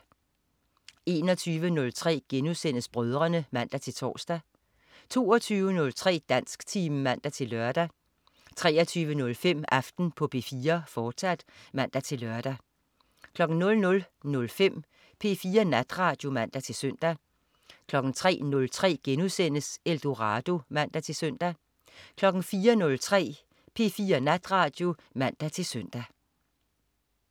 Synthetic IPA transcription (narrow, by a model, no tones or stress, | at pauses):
e̝ːnɒ̽t͡sʰyːʋənɔ̽lt͡sʰʁɛ̰ːɡ̥enuðˠsen̰əsb̥ʁœð̞ˠʁɐnəmæn̰d̥æt͡sʰe̝lt͡sʰɒ̰ːsd̥æ | t͡sʰo̝ːɐt͡sʰyːʋənɔ̽lt͡sʰʁɛ̰ːd̥æn̰sɡ̥t͡sʰiːmmæn̰d̥æt͡sʰe̝lːɶɐd̥æ | t͡sʰʁɛːɐt͡sʰyːʋənɔ̽lfem̰ɑfd̥n̩pʰɒ̽pʰe̝̰ːfiːɐfɒːd̥sæd̥mæn̰d̥æt͡sʰe̝lɶɐd̥æ | kʰlɒ̽ɡ̥n̩nɔ̽lnɔ̽lnɔ̽lfem̰ | pʰe̝̰ːfiːɐnæd̥ʁɑ̈ːd̥jo̝mæn̰d̥æt͡sʰe̝lsøn̰d̥æ | kʰlɒ̽ɡ̥n̩t͡sʰʁɛ̰ːnɔ̽lt͡sʰʁɛ̰ːɡ̥enuðˠsen̰əseld̥o̝ʁɑd̥o̝mæn̰d̥æt͡sʰe̝søn̰d̥æ | kʰlɒ̽ɡ̥n̩fiːɐnɔ̽lt͡sʰʁɛ̰ː | pʰe̝ːfiːɐnæd̥ʁɑ̈ːd̥jo̝mæn̰d̥æt͡sʰe̝lsøn̰d̥æ